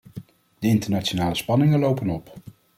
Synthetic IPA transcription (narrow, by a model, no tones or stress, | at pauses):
d̥əɪntəɹnat͡ʃonaːləspɑnɪŋənlowpənɔp